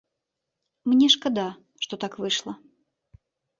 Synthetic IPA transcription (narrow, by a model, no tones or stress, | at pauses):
mnʲɛʂkɐd̪a | ʂt̪ɔt̪akvɨʂlˠɐ